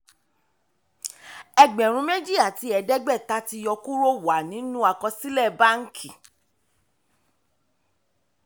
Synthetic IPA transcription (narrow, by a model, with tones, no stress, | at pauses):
ɛ˧ɡ͡bɛ̃˨ɾ̃ũ˧me˦d͡ʒi˦a˦˨ti˨˦ɛ˧dɛ˦ɡ͡bɛ˦˨ta˦ti˧jɔ˧ku˦ɾo˦wa˨nĩ˨˦nũ˦a˧˨kɔ˧si˦lɛ˦˨ba˦ŋ̩˦kʰi˨